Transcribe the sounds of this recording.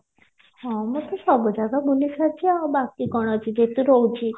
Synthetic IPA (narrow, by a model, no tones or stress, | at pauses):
hɔ̃mɔt̪ʰɔsɔbɔd͡ʒaɡabulisat͡ʃʰiabakikɔɽ̃ɔt͡ʃʰid͡ʒet̪uɾɔut͡ʃʰi